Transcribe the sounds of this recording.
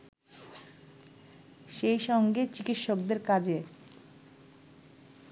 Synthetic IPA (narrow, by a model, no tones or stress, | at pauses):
ʃejʃɔŋɡet͡ɕikit̪ʃok̚d̪eɾkad͡ʑe